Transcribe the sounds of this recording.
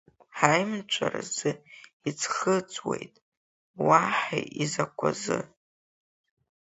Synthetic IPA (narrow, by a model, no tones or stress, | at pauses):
ħajmt͡ʃʷʰʼarazɨ | it͡sʰχət͡sʼwe̞̰jtʼ | waħajizakʷʰazɨ